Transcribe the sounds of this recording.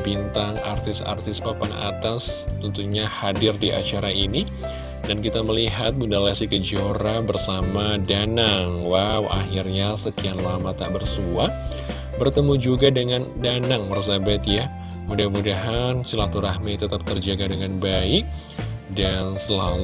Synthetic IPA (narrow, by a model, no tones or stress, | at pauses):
bint̪aŋart̪ɪsa̰rt̪ɪspapana̰t̪ast̪ənt̪uɲahadɪrdiʔa̰t͡ʃaɾaini | dankit̪aməliɦat̪̚mundalasikəd͡ʒoɾabərsamadanaŋwawʔaxirɲasəkianlamat̪aʔbərsua | bərt̪əmud͡ʒuɡadəŋandanaŋmarsabat̪ja | mudahmudaɦansəlat̪uɾahmit̪ət̪ap̚t̪ərd͡ʒaɡadəŋanbaɪk̚ | dansəlal